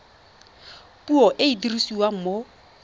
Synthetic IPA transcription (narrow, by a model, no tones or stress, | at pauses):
pʼuɔʔɪidirisiwaŋ̩mo